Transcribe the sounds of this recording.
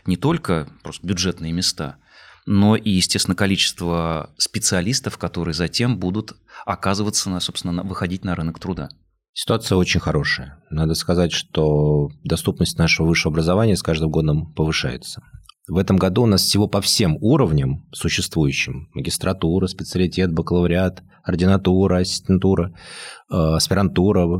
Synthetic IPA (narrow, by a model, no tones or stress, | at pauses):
nʲɪt̪o̞lʲkəpɾo̞st̪əbʲʊdʐɛt̪nɨjəmʲɪst̪a̰ | no̞ʔijɪsʲtʲesʲɪnəkɐlʲit͡ɕɪ̥st̪vəspʲɪt̪sɨɐlʲist̪əfkɐt̪o̞ɾɨjəzɐtʲe̞mbud̪ʊt̪ | ɐkazɨvət̪sənso̞pst̪ʲɪnəvɨxɐdʲitʲnɐɾɨnəkt̪ɾʊd̪a̰ | sʲɪ̥t̪ʊat̪sɨjəo̞t͡ɕɪnʲxɐɾo̞ʂɨjənad̪əskɐzatʲʂt̪od̪ɐst̪upnəsʲtʲnaʂəvəvɨʂːəvəɐbɾəzɐvanʲɪjəskaʐd̪ɨmɡo̞d̪əmpəvɨʂa̰jɪ̰t̪sə̥vɛt̪əmɡɐd̪uːnasfsʲɪvo̞pɐfsʲemuɾəvnʲəmsʊɕːɪst̪vujʉɕːɪmːəɡʲɪst̪ɾʔɐt̪uɾəspʲɪt̪sɨəlʲɪtʲe̞t̪̚bəklˠəvɾʲɪat̪ | ɐrdʲɪnɐt̪uɾəɐsʲɪsʲtʲɪnt̪uɾə | ɐspʲɪɾɐnt̪uɾə